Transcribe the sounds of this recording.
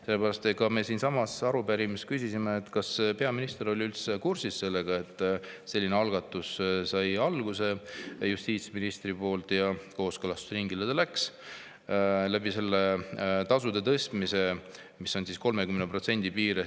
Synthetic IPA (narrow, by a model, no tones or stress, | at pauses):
selːepæɾɑst̪ekɑme̞siːnsɑmɑsɑɾubæɾimiskysʲisimeːt̪kɑspe̞ɑminist̪e̞ɾo̞lʲiylt̪se̞kursisse̞lːeɡ̥ɑe̞t̪ːˑse̞lːineɑlɡ̥ɑt̪ːˑussɑjɑlɡ̥use̞just̪iːt̪sminist̪ripo̞ːlt̪jɑko̞ːskølɑst̪u̥srɾiŋɡiled̪elæks | læbise̞lːet̪ɑsud̪et̪ɤst̪mise̞ | misːo̞nsisko̞lmekymnepro̞t̪se̞nʲd̪̥ipiːɾe